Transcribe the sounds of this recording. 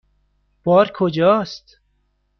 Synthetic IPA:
b̥ɔːɾkʰod͡ʒɒːst̪

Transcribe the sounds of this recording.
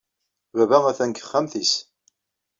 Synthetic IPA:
βævæʁæθænkə̥χːæmθis

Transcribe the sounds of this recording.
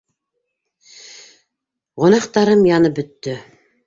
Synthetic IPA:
ʁŏnɑqt̪ɑɾɤmjɑnɤp̚bɵ̆t̪ːɵ

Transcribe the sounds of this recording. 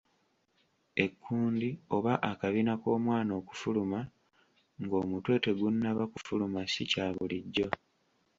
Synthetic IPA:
e̞kʰːuːndio̞βaʔakaβinako̞ːmwaːno̞ːku̥fuluma | ŋɡo̞ːmutwe̞ːte̞ɡunːaβaku̥fulumasicaːβuliɟːo̞

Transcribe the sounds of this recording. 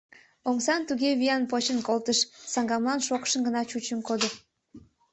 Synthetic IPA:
omsɑnt̪uɣeβiɑnpot͡ɕənkolt̪əʃsɑŋɡɑmlɑnʃokʃə̆nɡənɑt͡ɕut͡ɕə̆nkod̪ə̆

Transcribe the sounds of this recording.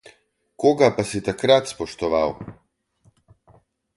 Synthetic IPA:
koːɡapasit̪akɾat̪spɔʃt̪ɔʋaw

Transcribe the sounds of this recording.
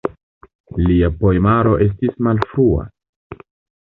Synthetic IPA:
liapo̞emaɾo̞ʔe̞s̬tismalfɾua̰

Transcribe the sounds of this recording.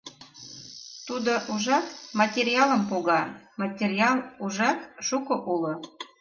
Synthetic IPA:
t̪ud̪oʔuʒɑt̪mɑtʲeɾʲiɑləmpoɣɑmɑtʲerʲiɑlˠuʒɑt̪ʃukoʔulo

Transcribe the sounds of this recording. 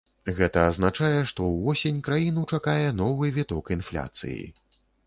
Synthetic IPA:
ɣɛt̪ɐːznat͡ʂajɛʂt̪ɔwvɔsʲenʲkɾajinut͡ʂakajɛnɔvɨvʲɛt̪ɔkinflʲa̰t̪sɨ̰jḭ

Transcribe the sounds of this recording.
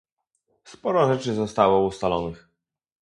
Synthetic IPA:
spɔɾɔʐɛt͡ʂɘzɔst̪awɔust̪alɔnɘx

